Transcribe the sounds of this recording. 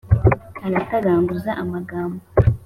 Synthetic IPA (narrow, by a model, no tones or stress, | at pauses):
aɾataɡaːŋɡuzaʔamaɡaːmbo